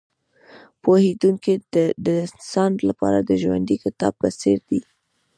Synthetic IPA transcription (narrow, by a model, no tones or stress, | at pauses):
pohed̪uŋkid̪əd̪ənsɑnlapɑ̰ɾad̪əʒwa̰nd̪ikɪt̪ɑ̰b̚pəseɾd̪i